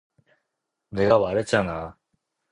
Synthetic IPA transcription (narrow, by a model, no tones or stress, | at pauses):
neɡaβaɾet͡ɕana